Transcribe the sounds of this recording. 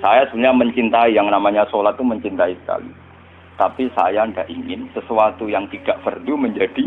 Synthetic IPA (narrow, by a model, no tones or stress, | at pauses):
sajasublɲaməɲt͡ʃint̪aijaŋnamaɲasolat̪̚ːuməɲt͡ʃint̪aisə̥ka̰lḭ | t̪apisa̰jaəndaʔiŋɪnsəsuat̪ujaŋt̪id̥aʔfərduməɲd͡ʒad̥i